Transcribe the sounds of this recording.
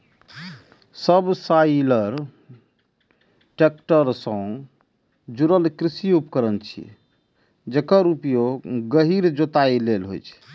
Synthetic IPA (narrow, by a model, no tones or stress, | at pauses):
səbsajləɾ | ʈek̚ʈəɾsə̃ | d͡ʒuɾəlkɾisiupkəɾənt͡ʃʰḭ | d͡ʒekəɾupjoɡːəɦiɾd͡ʒot̪ailelɦo̰jt͡ʃʰɛ̥